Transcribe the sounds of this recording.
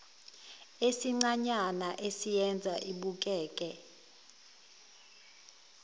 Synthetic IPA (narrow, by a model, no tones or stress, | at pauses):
esiŋ͡ǀaɲanaʔesijɛnd͡zʱa̰ʔiɓuk̬ʼɛːkʼɛ